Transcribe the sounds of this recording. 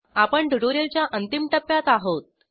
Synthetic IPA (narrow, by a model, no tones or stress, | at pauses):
apəɳɖəɽoɾelt͡ɕjaʔənt̪imʈəpːjat̪aɦot̪̚